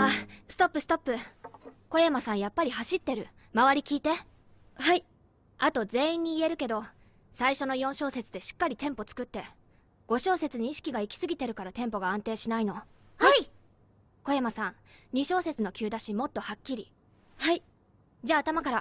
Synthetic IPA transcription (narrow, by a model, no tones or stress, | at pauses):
asɨ̥t̪o̞pːɯ̟sɨ̥t̪o̞pːɯ̟ko̞jamasãɰ̃japːaɾʲihaɕit̪ːe̞ɾɯ̟ | maβaɾʲikʲiːt̪e̞ | hai | at̪o̞ze̞ːĩɲ̟ːiːe̞ɾɯ̟ke̞d̪o̞ | saiɕo̞no̞jõ̞ɕo̞ːse̞t͡sɨd̪e̞ɕi̥kːaɾʲit̪ẽ̞mpo̞t͡sɨ̥kɯ̟t̪ːe̞ | ɡ̥o̞ɕo̞ːse̞t͡sɨɲ̟iːɕi̥kʲiɡaikʲi̥sɨɡʲit̪e̞ɾɯ̟kaɾat̪ẽ̞mpo̞ɡaãnt̪e̞ːɕinaino̞ | a | ko̞jamasãŋ̃ | ɲ̟iɕo̞ːse̞t͡sɨno̞kʲɨ̟ːd̪aɕimo̞t̪ːo̞hakʲːiɾʲi | hai | d͡ʑaːt̪amakaɾa